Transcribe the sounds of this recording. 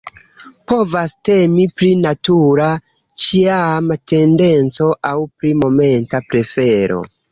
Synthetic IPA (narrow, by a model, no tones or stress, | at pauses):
po̞vaste̞mipɾinatuɾa | t͡ʃiamte̞nde̞nt͡so̞ʔawpɾimo̞me̞ntapɾe̞fe̞ɾo̞̰